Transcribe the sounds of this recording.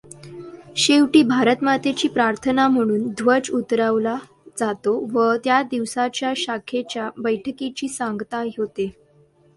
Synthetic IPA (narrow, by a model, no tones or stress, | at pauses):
ɕeʋʈiːbʱaɾət̪mat̪et͡ɕiːpɾaɾt̪ʰənam̤əɽ̃uːnd̪ʱʋəd͡zut̪ɾaʋla | d͡zat̪oʋət̪jad̪iʋsat͡ɕjaɕakʰet͡ɕjabəjʈʰəkit͡ɕiːsaŋɡt̪aɦot̪e